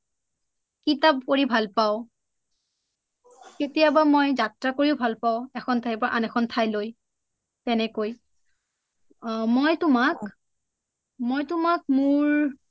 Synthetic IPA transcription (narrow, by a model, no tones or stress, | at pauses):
kitap̚koɹibʱalpaʊ̃ | ketijabamojzatɹakoɹiʊbʱalpaʊ̃ɛxʰɔntʰaipɔʔanɛxʰɔntʰajloj | tɛnɛkoj | mojtʊmak | mojtʊmak̚mʊɹ